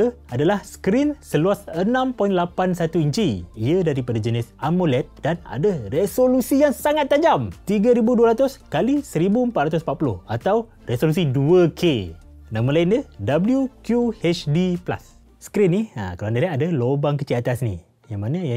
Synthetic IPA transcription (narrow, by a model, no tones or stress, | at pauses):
ə | adalahsə̥kɾinsəluasənãmpɔinlapansat̪uiɲt͡ʃiiədaɾipadad͡ʒənɪsamolɛt̪̚dana̰dəresolusijaŋsaŋat̪ːad͡ʒamt̪iɡaɾibuduaɾat̪ʊskalisəɾibuəmpat̪ɾat̪ʊs̬əmpat̪̚pulʊhat̪aw | resolus̬iduəkʰe | nãmənlaindədabəljukjuhɛt͡ʃdipla̰sː | ə̥kɾinːiə̰kluandaladalobaŋkət͡ʃiat̪asnḭ | jaŋmanaja